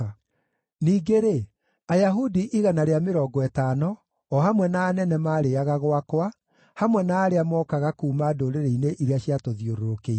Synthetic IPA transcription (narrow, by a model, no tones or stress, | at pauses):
niːɡeɾe | ajaɦudiʔiɣanaɾeameɾɔːɡɔɛtanɔ | ɔhamwɛnaːnɛnɛmaːɾeaɣaɣwakwa | hamwɛnaːɾeamɔkaɣakuːmadoɾeɾeineʔiɾeaɕiatoðioɾoɾoke